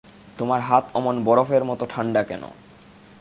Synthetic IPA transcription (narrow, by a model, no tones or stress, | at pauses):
t̪omaɾɦat̪ʰɔmonbɔɾofeɾmɔt̪oʈʰaɳɖakɛ̰no̰